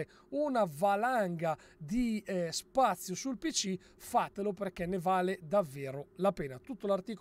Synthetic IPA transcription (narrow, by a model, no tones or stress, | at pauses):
unavalaŋɡa | d̪ispat̪sːjosulpit͡ʃːi | fat̪eloperkɛnːevaːled̪avːɛːɾolapɛːnat̪ut̪ːolart̪iːk